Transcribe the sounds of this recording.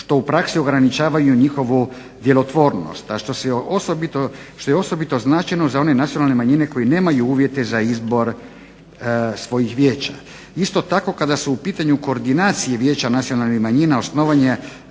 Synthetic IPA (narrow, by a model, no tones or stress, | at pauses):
ʃt̪o̞upɾaksio̞ɡɾanit͡ʃaːʋajuɲixo̞ʋu | d̪je̞lo̞t̪ʋo̞ːɾno̰st̪aʃt̪oseosobit̪o | ʃt̪o̞jeo̞so̞bit̪o̞znaːt͡ʃajnozao̞ne̞nat̪sionalˠnemaɲine̞ko̞jine̞ːmajuuːʋje̞t̪e̞zaizbo̞ɾ | sʋo̞jixʋje̞ːt͡ʃa | ist̪o̞t̪ako̞kad̪asuupiːt̪aɲuko̞ːɾd̪inaːt̪sijeʋje̞ːt͡ɕanat̪sijo̞nalnixmaɲinao̞sno̞ʋaɲe